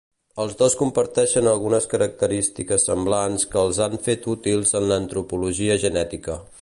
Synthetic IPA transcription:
əlˠzðoskumpəɾt̪ɛʃənəlˠɣunəskəɾək̚t̪əɾist̪ikəsːəmblanskəːlˠzaɱfet̪ut̪ilˠzənləːnt̪ɾupuluʒiəʒənɛt̪ikə

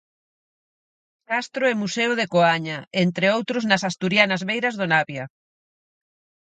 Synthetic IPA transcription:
kast̪ɾoɛmusewðekoaɲaent̪ɾeowt̪ɾʊznɐsast̪uɾjanazβejɾazðonaβja

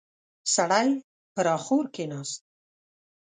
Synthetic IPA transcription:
saɽaj | pəɾɑːχuɾkenɑst̪̚

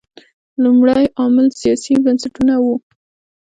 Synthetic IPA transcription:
lumɽajɑmɪlsijɑsibənsaʈunawu

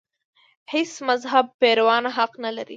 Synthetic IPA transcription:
hesmazɦab̚peɾawɑnɦaqnalaɾḭ

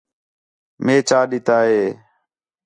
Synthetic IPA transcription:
meːt͡ʃaːɗɪt̪aːɦeː

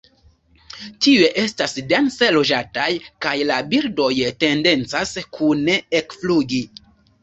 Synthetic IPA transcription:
tie̞ʔe̞stasdense̞lo̞d͡ʒatajkajlabiɾdo̞jte̞nde̞nt͡saskʰune̞ekfluɡi

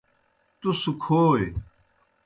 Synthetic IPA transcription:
t̪usukʰoːe

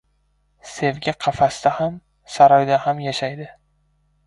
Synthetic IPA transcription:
se̞vɡʲaqʰɑfasd̪aham | saɾɒjd̪ahamjaʃajd̪ɪ

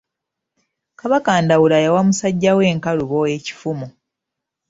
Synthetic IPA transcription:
kaβakaːndawulajawamusaɟːawe̞ːŋkaluβoe̞ci̥fumu

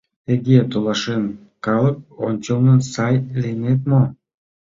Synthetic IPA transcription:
eɡʲet̪olˠɑʃen | qɑlˠɯp̚ont͡ʃonunsɑjlʲenet̪mo

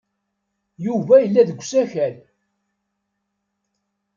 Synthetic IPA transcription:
juvæjəlːæðəɡʷːsæçæl

